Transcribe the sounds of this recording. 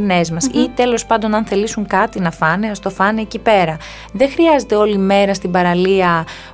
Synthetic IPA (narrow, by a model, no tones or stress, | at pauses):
ne̞zmɐsit̪e̞lo̞spɐnd̪o̞nɐnθe̞lisuŋkɐt̪inɐfɐneɐst̪ofɐneːcipe̞ɾɐ | ðe̞xɾiɐze̞t̪e̞o̞lime̞ɾɐst̪ibɐɾɐliɐ